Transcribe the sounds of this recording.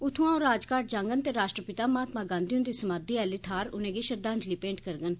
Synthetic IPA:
ʊt̪ʰũãːõːɾaːd͡ʒkaːʈ̚d͡ʒãːŋɡənt̪eːɾaːʃʈɾəpɪt̪aːmaːt̪mãːɡãːnd̪ijũnd̪iːsəmãːd̪iːɛːlɪt̪ʰaːɾʊnẽːɡiːʃəɾd̪ãːɲd͡ʒliːpẽːɳʈkəɾɡən

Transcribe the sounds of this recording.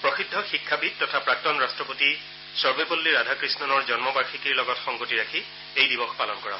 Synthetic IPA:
pɹɔxidʱːɔxikʰːabit̚tɔtʰapɹak̚tɔnɹastɹɔpoti | sɔɹbepolːiɹadʱakɹisnɔnɔɹzɔnmɔbaɹxikiɹlɔɡɔtxɔŋɡotiɹakʰi | ejdibɔxpalɔnkɔɹã̰

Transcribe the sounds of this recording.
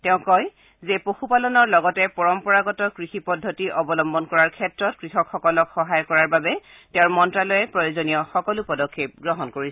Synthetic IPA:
tɛʊ̃kɔj | zepoxupalɔnɔɹlɔɡɔtɛpɔɹɔmpɔɹaɡɔtɔkɹixipɔdʱːotiʔɔbɔlɔmbɔnkɔɹaɹkʰɛtɹɔtkɹixɔkxɔkɔlɔkxɔɦajɔkɔɹaɹbabɛ | tɛʊɹmɔntɹalɔjɛpɹɔjozonijɔxɔkɔlupɔdɔkʰːep̚ɡɹɔɦɔnkoɹis

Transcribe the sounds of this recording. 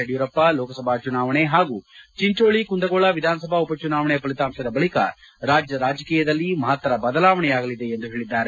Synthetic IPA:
ɐɽijuɾɐpːɐlɔːkɐsɐbʱaːt͡ʃunaːʋɐɳeɦaːɡuːt͡ʃiɲt͡ʃoːɭikund̪ɐɡɔɭɐʋid̪ʱaːnɐsɐbʱaupɐt͡ʃunaːʋɐɳɛjɐpɐlit̪aːmsɐd̪ɐbɐɭikɐ̰ | ɾaːd͡ʒjɐɾaːd͡ʒɐkiːjɐd̪ɐlːimɐɦɐt̪ʋɐɾɐbɐd̪ɐlaːʋɐɳɛjaːɡɐlid̪e̞ːnd̪uɦe̞ːɭid̪ːaːɾe

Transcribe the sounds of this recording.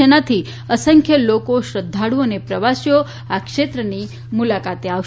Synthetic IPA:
ənat̪ʰi | əsəŋkʰjəlokoʃɾəd̪ʱːaɽũənepɾəʋasjo | akʃet̪ɾəni | mulakat̪eaʋ

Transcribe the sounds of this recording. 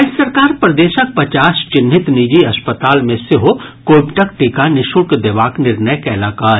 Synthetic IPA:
sɐɾkaːɾpɾɐd̪eːʃək̚pɐt͡ʃaːst͡ʃɪnːɪt̪nid͡ʒiɐspət̪aːlmẽsɪɦokoːpʈɐk̚ʈiːkanɪʃukd̪eʋaːknɪɾnəjkɛlaːkaːɾ

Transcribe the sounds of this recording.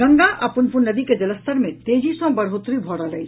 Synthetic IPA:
ɡəŋɡaʔɐpunpunnəd̪iked͡ʒɐləst̪əɾmẽt̪eːd͡ʒisɔ̃bəɾɦot̪ɾibʱɔɽaləj

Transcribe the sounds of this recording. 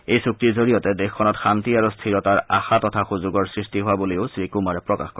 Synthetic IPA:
ejsuk̚tiɹzoɹijɔtɛdexkʰːɔnɔtxantiaɹustʰiɹɔtaɹa̰xatɔtʰaxuzuɡɔɹsɹistiɦoaboleʊsɹikumaɹɛpɹɔka̰xkɔɹɛ

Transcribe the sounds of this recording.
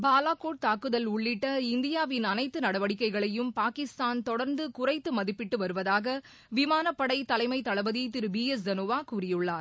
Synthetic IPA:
baːlaːkoːʈ̚t̪aːkɯðɐlʊɭːɪʈːɐɪnd̪ɪjaːʋɪnɐnɐɪt̪ːɯnɐɽɐʋɐɽɪkːɐɪɣɐɭɐjɯmpaːkɪst̪aːnt̪ɔɽɐɾnd̪ɯkʊrɐɪt̪ːɯmɐðɪpːɪʈːɯʋɐɾɯʋɐðaːɣɐ | ʋɪmaːnɐpːɐɽɐɪt̪ːɐlɐɪmɐɪt̪ːɐɭɐbɐðit̪ɪɾɯbiːɛsd͡ʒɐnuʋaːkuːrɪjɯɭːaːɾ

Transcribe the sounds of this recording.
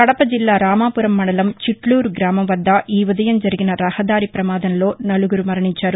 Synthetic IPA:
kɐɽɐpːɐd͡ʒilːaːɾaːmaːpʊɾɐmːɐɳɐlɐmt͡ʃiʈluːɾɡɾaːmɐmʋɐd̪ːaːʔiːʋuðɐjɐmd͡ʒɐɾɪɣɪnɐɾɐhɐd̪aːɾipɾɐmaːðɐnloːnɐlɯɣɯɾɯmɐɾɐɳɪɲt͡ʃːaːɾu

